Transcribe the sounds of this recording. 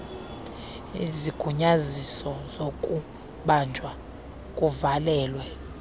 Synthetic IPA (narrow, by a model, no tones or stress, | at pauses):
iziɡ̥ʱuɲazisɔzokʼu | ɓand͡ʒʱwa | kʼuvalɛːlwɛ